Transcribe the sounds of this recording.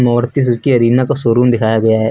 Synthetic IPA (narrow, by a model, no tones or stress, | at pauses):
nɔːɽt̪is̬ɐɾkiɐɾiːnakasoːɾuːnd̪ɪkʰaːjaɡɐjaɦɛː